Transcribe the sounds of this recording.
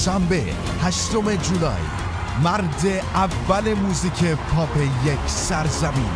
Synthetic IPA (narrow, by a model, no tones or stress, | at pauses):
ʃæmbḛ | hæʃt̪ome̞d͡ʒulɒ̰ːj | mæɾd̪e̞ʔævːæle̞muːziːcʰepʰɒːpʰejecʰsæɾzæmḭːn